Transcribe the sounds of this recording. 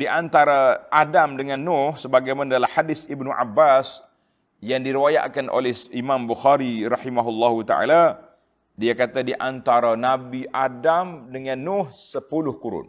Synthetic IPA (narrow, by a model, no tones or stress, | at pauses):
diʔant̪aɾaʔadamdəŋanːʊhsəbaɡajmanadalahadɪsibnuʔa̰bːas | jaŋdiɾiwaja̰ʔkanʔo̰lɛhimambuxaɾiɾɑħimaɦulːaɦut̪a̰ʔa̰la | diakat̪adiʔant̪aɾanabiʔadamdəŋanːʊhsəpulʊhkuɾʊ̰n